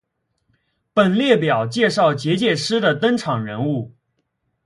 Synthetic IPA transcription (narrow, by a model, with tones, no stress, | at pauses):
pə˨˩nljɛ˥˩pjɑ˨˩ʊt͡ɕjɛ˥˧ʂɑ˥˩ʊt͡ɕjɛ˧˥t͡ɕjɛ˥˩ʂɻ̩˥d̪ə˨t̪ə˥nʈ͡ʂʰɑ˨˩ŋɻə˧˥nu˥˩